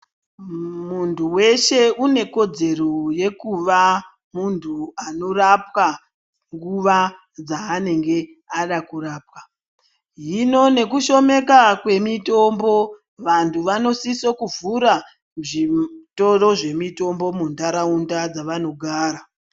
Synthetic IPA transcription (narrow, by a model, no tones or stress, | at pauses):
muntʰuwe̞ʃe̞une̞ko̞d͡ze̞roje̞kuʋa | muntʰuano̞rapwa | ŋɡuʋa | d͡zaːne̞ŋɡe̞ | aɗakuraːp̚wa | ɦino̞ne̞kuʃo̞me̞kakwe̞mito̞mbo̞ | ʋantʰuʋano̞sisokuvuɾa | ʐito̞ɾo̞ʐe̞mito̞mbo̞mundaɾaundad͡zaʋano̞ɡʱaːɾa